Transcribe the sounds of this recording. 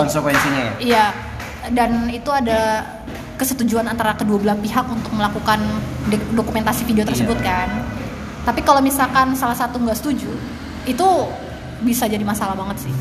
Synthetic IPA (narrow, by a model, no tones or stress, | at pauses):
kɔnsəkwɛnsiɲajaija | danit̪uada | kəsət̪ud͡ʒuanant̪aɾakəduabəlaspiɦakunt̪ʊk̚məlakukandokument̪asifideot̪ərsəbʊt̪̚kan | t̪apikalomisalkansalahsat̪uŋɡaʔsə̥t̪ud͡ʒu | it̪u | bisad͡ʒadimasalaɦbaŋət̪sɪh